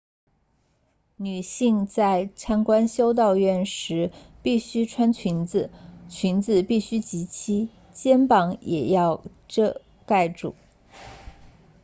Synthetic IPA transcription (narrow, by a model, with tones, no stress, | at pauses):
ny˨˩ɕi˥˧ŋt͡sa˥˩˧ɪʈ͡ʂʰa˥nkwa˥nɕjo˥ʊt̪̬ɑ˥˧ʊɥɛ˥˩nʂɻ̩˧˥pi˥˩ɕy˥ʈ͡ʂʰwa˥nt͡ɕʰi˧˥nd͡zɹ̩˨˩t͡ɕʰy˧˥nt͡sɹ̩˨˩pi˥˩ɕy˥t͡ɕi˧˥t͡ɕʰi˥ | t͡ɕjɛ˥npɑ˧˥ŋjɛ̰˨˩jɑ˥˧ʊ | ʈ͡ʂɤ˥˧ | ka˥˧ɪʈ͡ʂṵ˨˩˦